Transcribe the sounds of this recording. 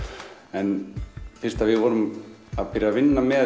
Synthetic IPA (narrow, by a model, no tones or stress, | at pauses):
ɛnfɪr̥st̪avɪðvɔːɾʏmaðpɪɾjavɪnːamɛ